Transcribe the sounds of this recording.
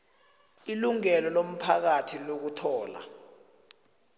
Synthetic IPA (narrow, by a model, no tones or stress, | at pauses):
iluŋɛlɔlom̩pʰak̬atʰilok̬utʰɔːla̰